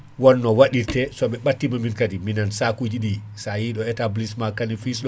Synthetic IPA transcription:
wɔnːɔwaɗiɾtɛsɔɓɛɓatːimaminkatiminansakud͡ʒiɗi | sajiɗɔɛtablismakːanifisɗɔ

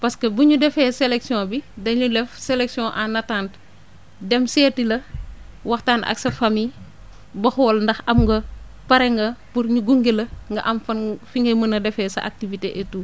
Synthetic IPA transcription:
pɐskɐbuɲudɛfɛːsɛlɛksijɔ̃bidɐɲulɛfsɛlɛksjɔ̃ʔanɐtaːnt | dɛmsɛːtilɐ | wɐxtaːnʔɐ̰ksɐfami | bɐxɔːlndɐxɐmɡɐ | pɐɾɛŋɡɐpurɲuɡuŋɡelɐŋɡɐʔɐmfɐnfiŋɡɛmɐnɐdɛfɛːsɐ̰ʔa̰k̚tiviteʔɛtuː

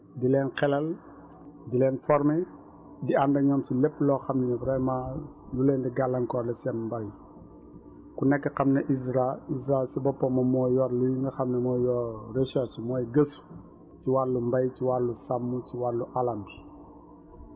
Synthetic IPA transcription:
dilɛnkɛlɐl | dilɛːnfɔɾmɛ | diandɐɲɔmt͡ʃilɛpːlɔxɐmnɛnɐvɾɛmajulɛndiɡalːɐŋkɔlɐsɛnmbɐj | kunɛkːɛkɐmnɐʔisɾaisɾasibɔpːɐmɐmɔːjɔɾlujŋɡɐxɐmnɛmɔːjɔɾeʃat͡ʃimɔːjɡəsu̥ | t͡ʃiwalːumbɐjt͡ʃiwalːusamːut͡ʃiwalːuʔalɐmbi̥

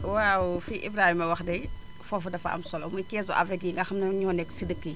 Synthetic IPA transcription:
wawfiʔḭbɾaːhimɐwɐxdɐj | fɔfɐdɐfɐ̰ɐ̰msɔlɔmujkɛːs̬ɔ̰ʔɐ̰fɛkiŋɡɐxɐmnɐɲɔːnɛksidəkːə

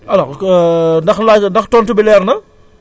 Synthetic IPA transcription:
ʔɐlɔ | dɐxlandɐxtɔntubilɛɾnɐ

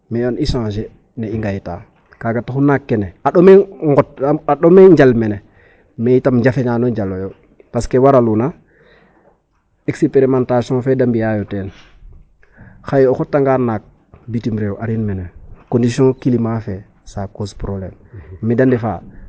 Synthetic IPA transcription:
mijonisãʃ̬e | neiŋɡajta̰ː | kaɡataxunakːeneaɗomeŋɡotaɗomeɲd͡ʒalmene | meitamɲd͡ʒafeɲaːnoɲd͡ʒalojo | paskewaɾaluna | eksipeɾimãntasiõfedambijajoteːn | xajoxotːaŋɡaːnaːk̚ | bitimɾewaɾinmenekondisiõkilimafe | saːkoːspɾoblḛːmːidandifa̰

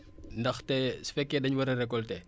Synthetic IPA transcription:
ndɐxtɛsfɛkːɛdɐɲwɐɾɐɾɛkːɔltɛ

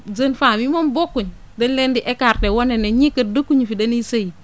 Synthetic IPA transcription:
d͡ʒənfamimonbokːuɲ | denlendiʔekaɾtewoneneɲikədukːuɲifideniseji

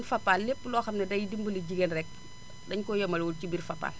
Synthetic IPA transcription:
nfɐpːaːlːepːəlɔːxɐmnɐdɐjidimbəliɟiɡenrɛk̚ | dɐɲkɔjɐmɐlwulcibirfɐpːa̰ːl

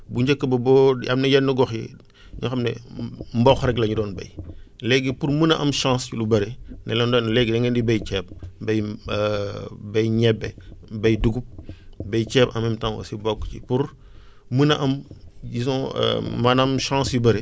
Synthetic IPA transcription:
buɲɟɐkːəbɐbɔɐ̰mnɛjɛnːəɡɔxjɛ̰ | ɲuxɐmnɛ̰mbɔxɾɛɡlɐɲudɔːnbɐ̰jlɛɡipuɾmənɐʔɐmʃãːsculubɐɾenɛlɔndɔːnlɛɡdɐŋɡɛndibɐjt͡ʃɛːp̚bɐj | bɐjɲɛbːɛbɐjduɡup̚bɐjt͡ʃɛːpɐmɛmtãŋwɐ̰sibɔkːcḭpuɾ | mənɐʔɐmis̬ɔ̰̃mɐnɐmʃãːsjubɐɾe

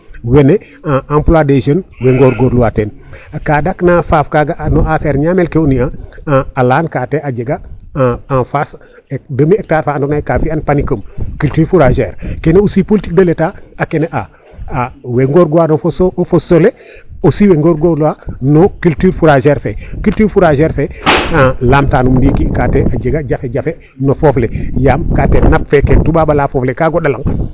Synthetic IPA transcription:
wene | aʔãmpladed͡ʒənweŋɡoɾɡoːɾluwatenkadaknafaːfkaɡaʔnoafeɾɲamelkeuniaalaːnkaːteʔaɟeɡa | ãnfas | ek̚dəmiek̚taːɾfaːndonakafianpanikəmkyltyɾfuɾaʒeːɾkeneusipolitik̚dəletaakeneʔa | aweŋɡoɾɡoanofosofosole | osiweŋɡoɾɡolwanokyltyɾfuɾaʒeɾfekyltiːɾfuɾaʒeɾfeãlaːmtaːnumndikikateʔad͡ʒeɡaɟafeɟafe | nofoflejamkatenap̚fekentuɓaɓalafoflekaɡoɗalaŋ

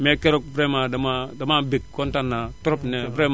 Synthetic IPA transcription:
mekeɾok̚vɾemadamadamabikkːontanːatɔɾɔpnebɾem

